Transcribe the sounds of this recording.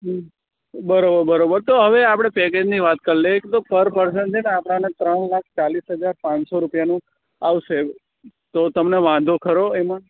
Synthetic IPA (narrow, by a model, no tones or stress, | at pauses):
bəɾobəɾbəɾobəɾt̪oɦəʋeapɽ̃epɛked͡ʒniʋat̪kəɾleket̪opəɾpəɾs̬əɳd͡ʒeneapɽ̃anet̪ɾəɳlak̚ʰt͡ʃalisɦəd͡ʒaɾpãnsoɾupjanũ | aʋʃe | t̪ot̪əmneʋãd̪ʱokʰəɾoemã